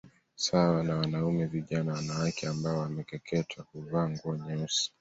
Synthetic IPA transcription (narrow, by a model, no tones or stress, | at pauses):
sawanawanaumɛviʄanawanawakɛambaɔwamɛkɛkʰɛtʰwakuvaːŋɡuɔɲɔsi̥